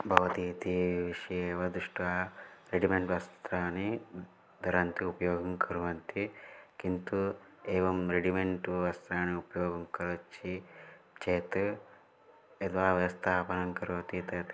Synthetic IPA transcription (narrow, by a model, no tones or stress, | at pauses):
bʱɐʋɐt̪iːt̪iʋiʃɐeːʋɐd̪uʂʈaːɾeɖimeɳʈʋɐst̪ɾaːni | d̪ʱɐɾɐnt̪iupɐjoːɡɐmkʰɐɾuʋɐnt̪ikint̪ueːʋɐmɾeɖimeɳʈuɐst̪ɾaːniupɐjoːɡɐmkɐlɐt͡ʃːi | t͡ʃeːt̪ɨ | ɐd̪ʋaːʋjɐʋɐst̪ʰaːpɐnɐŋkɐɾuʋɐt̪it̪ɐt̪